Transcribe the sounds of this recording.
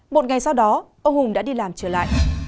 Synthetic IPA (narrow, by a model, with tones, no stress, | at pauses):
ɓo̰˧˨t̚ŋa˨˩jsa˧wɗɔ˨˦ʔə˧wɦʊ˨˩ŋ͡mɗa̰ː˧˥ɗi˧laː˨˩mt͡ɕəː˧˩la̰ː˧˨jʔ